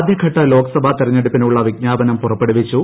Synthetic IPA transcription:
d̪ʱjɐkʰɐʈːɐlo̞ːkʰɐsɐbʱɐt̪iɾɐɲːeɽupːinuɭːɐʋiɡ̚ɲaːbɐnɐmpurɐpːeɽuʋit͡ɕːu

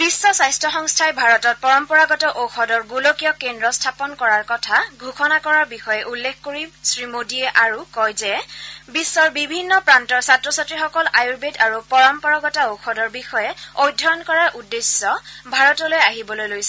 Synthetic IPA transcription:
b̥isːɔsajstʰɔxɔŋstʰajbʱaɹɔtɔt̚pɔɹɔmpɔɹaɡɔtɔʔoxɔdɔɹɡulokijɔkendɹɔstʰapɔnkɔɹaɹkɔtʰaɡʱukʰɔnakɔɹaɹbixɔjɛʔulːekʰkoɹisɹimodiɛʔaɹukɔjzɛbisːɔɹbibʱinːɔpɹantɔɹsatɹɔsatɹixɔkɔlajuɹbedaɹupɔɹɔmpɔɹaɡɔtaoxʰɔdɔɹbixɔjɛojdʱːɔɔnkɔɹaɹʔudːesːɔbʱaɹɔtɔlojaɦibɔlojlojsɛ

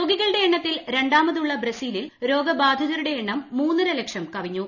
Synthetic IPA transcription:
oːɡiɣɐɭɨɽe̞eɳːɐt̪ːilɾe̞ɳɖaːmɐðuɭːɐbɾɐsiːlilɾo̞ːɡɐbaːd̪ʱɐðɐɾuɽe̞ːɳːɐmːuːnːɐɾɐlekʂɐmkɐʋiɲːu

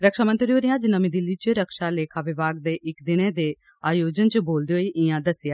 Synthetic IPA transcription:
ɾəkʃaːmənt̪ɾioːɾɪjãːd͡ʒnəmiːd̪ɪlːiːt͡ʃəɾəkʃaːleːkʰaːʋɪbaːɡ̚d̪eːʔɪkd̪ɪnẽːd̪eː | aːjoːd͡ʒənt͡ʃboːld̪eːɦoiːʔɪjãːd̪əsɪjaː

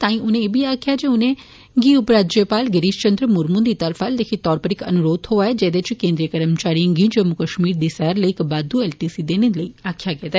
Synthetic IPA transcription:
t̪ãːĩːʊnẽeːbʱiːaːkʰɪjaːd͡ʒeːʊnẽː | ɡiːʊpɾaːd͡ʒjepaːlɡəɾiːʃt͡ʃə̃nd̪ɾəmʊɾmʊ̃nd̪iːt̪əɾpʰald̪ekʰet̪ɔːɾpəɾɪkə̰nʊɾoːd̪ɦoːaːɛːd͡ʒɛːd̪eːt͡ʃkẽːnd̪ɾijəkəɾmt͡ʃaːɾijãːɡĩːd͡ʒəmʊkəʃmiːɾd̪iːsɛɦɾləiːɪkbaːd̪uɛːlʈiːsiːd̪eːnẽləiːaːkʰjaːkɛːd̪aɛː

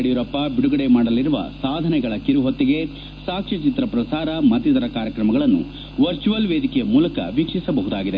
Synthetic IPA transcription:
ɽijuɾɐpːɐbiɽuɡɐɽemaːɽɐlːiɾuʋɐ̰saːd̪ʱɐnɛɡɐɭɐkiɾuɦot̪ːiɡe̞ | saːkʂit͡ʃit̪ɾɐpɾɐsaːɾɐmɐt̪ːit̪ɐɾɐkaːɾjɐkɾɐmɐɡɐɭɐnːṵ | ʋɐɾt͡ʃuʋɐlʋeːd̪ʱikɛjɐmuːlɐkɐ̰ʋikʂisɐbɐɦud̪aːɡid̪e

